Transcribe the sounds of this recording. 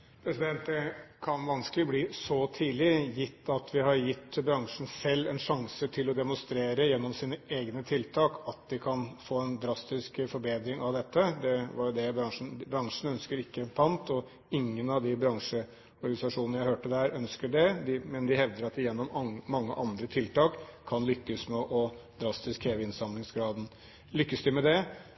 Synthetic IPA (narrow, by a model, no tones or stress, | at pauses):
pʰɾɛsɪd̪ɛnt̪əkʰɑnʋɑnskəlɪbliːsɔt̪ʰiːlɪjɪt̪ːɑt̪ʋɪɦɑɾjɪt̪ːbɾɑŋʂn̩sɛlːɛnʂɑŋsət̪ʰɪlɔd̪ɛmʊnst̪ɾeːɾəjɛnːɔmsiːnəʔeːɡnət̪ʰɪlt̪ʰɑːkɑt̪̚d̪ɪkʰɑnfoːɛnd̪ɾɑst̪ɪskfɔɾbeːd̪ɾɪŋɑʋd̪ɛt̪ːəd̪ɛʋɑɾjʊd̪ɛbɾɑŋʂn̩bɾɑŋʂɳ̩œnskəɾɪkːəpʰɑnt̪ɔ | ɪŋːənɑʋd̪ɪbɾɑŋʂə | ɔɾɡɑnɪsɑʂuːnənəjæɪhøːʈəd̪æːɾœnskəɖɛd̪ɪmɛnd̪ɪhɛʋd̪əɾɑt̪ɪjɛnːɔmːɑŋːə̰ʔɑnd̪ɾət̪ʰɪlt̪ɑːkʰːɑnlʏkːəsmɛʔɔd̪ɾɑst̪ɪskheːʋəɪnsɑmlɪŋsɡɾɑːd̪n̩ | lʏkːəsd̪ɪmɛd̪ɛ